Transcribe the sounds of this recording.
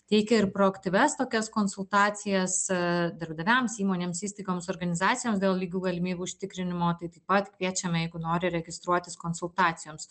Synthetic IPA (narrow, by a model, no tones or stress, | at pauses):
t̪ʲɛɪkʲɛɪɾpɾoːɐkt̪ʲɪʋʲɛst̪oːkʲɛskoːnsʊlˠt̪ɑːt͡s̪ʲɪjɛsd̪ɐɾbd̪ɐʋʲɛmsiːmoːnʲeːmsiːst̪ɐɪɡoːmsoːɾɡɐnʲɪzɑːt̪sʲɪjoːmsd̪ʲeːlˠlʲiːɡʲuːɡɐlʲɪmʲiːbʲuːʊʃʲt̪ʲɪkɾʲɪnʲɪmoːt̪ɐɪt̪ɐɪpɐt̪kʋʲiɛt͡ʃʲɛmɛjɛɪɡʊnoːɾʲɪɾʲɛɡʲɪst̪ɾuɔt̪ʲɪskoːnsʊlˠt̪ɑːt̪sʲɪjoːms